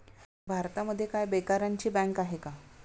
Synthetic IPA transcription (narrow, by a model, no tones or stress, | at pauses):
bʱaɾt̪aməd̪ʱːjekajbekaɾjaɲt͡ɕiːbɛ̃ŋkaɦeka